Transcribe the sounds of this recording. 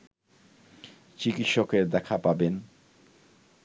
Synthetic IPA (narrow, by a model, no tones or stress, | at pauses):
t͡ɕikit̪ʃokeɾd̪ɛkʰapaben